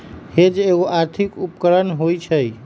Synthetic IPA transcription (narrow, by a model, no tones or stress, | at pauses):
hed͡ʒeɣoʔaɾt̪ʰikupkəɾənɦojt͡ʃʰəj